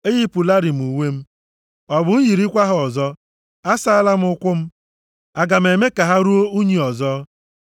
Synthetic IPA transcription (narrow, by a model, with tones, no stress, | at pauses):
e˦ji˦pu˨la˦ɾi˨m̩˨u˨we˦m̩˦ | ɔ˨bʊ˨n̩˦ji˨ɾi˦kʷa˦ɦʊ˨ɔ˨zɔ˦ | a˦sa˦a˦la˦m̩˦ʊ˦kʷʊ˦m̩˦ | a˨ɡa˨m̩˨e˨me˦ka˨ɦa˦ɾu˦o˦u˦ɲi˨ɔ˨zɔ˦